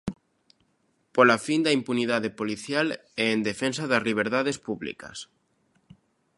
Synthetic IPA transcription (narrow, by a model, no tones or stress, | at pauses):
polafind̪aimpuniðaðepoliθjalɛːnd̪efensaðɐzliβ̞eɾðaðespuβlḭkɐ̰s